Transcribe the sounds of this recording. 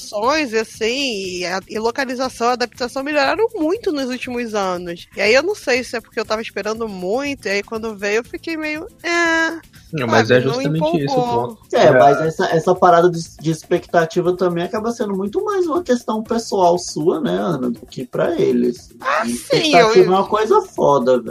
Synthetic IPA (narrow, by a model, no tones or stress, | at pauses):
sõj̃zasĩɪɪlokalizasɐ̃w̃iad̪ap̚t̪asɐ̃w̃meʎoɾaɾɐ̃w̃mũj̃t̪ʊnʊzut͡ʃimʊzɐ̃nʊsɪaiewnɐ̃w̃sejsɪɛpʊ̥keewt̪avɐispeɾɐ̃nd̪ʊmũj̃t̪ʊiaikwɐ̃nd̪ʊevejʊewfikejmejʊɛ | ɛmɐzɛʒust̪ɐmmẽt͡ʃɪisʊoɛmɐzɛsɐʔɛsɐpaɾad̪ɐd͡ʒɪd͡ʒɪːspekt̪at͡ʃivɐt̪ɐ̃mbẽj̃akabɐsẽnd̪ʊmũj̃t̪ʊmajzũmɐkest̪ɐ̃w̃pesuawsuɐnɛɐ̃nɐd̪ʊkɪpɾɐelɪ̰s | asipẽkt̪awt͡ʃivɐɛũmɐkojzɐfɔd̪ɐv